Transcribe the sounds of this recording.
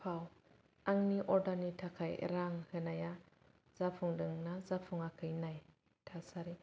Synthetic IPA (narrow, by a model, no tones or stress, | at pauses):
pʰaw | aŋniʔɔɾdanitʰakʰajḛɾaŋhɯnaja | z̥apʰuŋdɯŋnazapʰuŋakʰɯjnaj | tʰasaɾi